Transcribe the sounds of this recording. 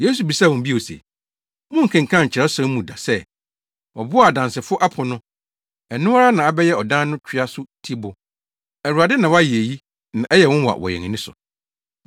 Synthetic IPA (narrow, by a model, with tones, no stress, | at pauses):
je˦su˨bi˨sa˦˨wɔ̃˨m˨bi˦˨o˨sḛ˨ | wʊ̃˦ŋ̩˨kʰɛ̃˨ŋ˨kʰã˦˨ɲ̩˨t͡ɕʰɪ˨ɾɛ˦sã˦mũ˨da˨sɛ˦ | wɔ˨bʊ˦˨dã˨nsɪ˨fʊ˦ʔa˦pʰʊ˨nʊ̃˦ | ɛ˨nʊ̃˦wa˦ɾa˦nã˨a˨bɛ˦jɛ˦ɔ˨dã˦n˦nʊ̃˦t͡ɕᶣʰɪ˦a˦sʊ˦tʰi˦bʊ˨ | ɛ˨ɾu˨a˨dɪ˦nã˨wa˦ji˨e˨ji˦ | nã˨ʔɛ˦jɛ˨wɔ̃˦n˦wa̰˨wɔ̰˨jɛ̰˨ŋ̃˨nɪ̃˦sʊ̰˨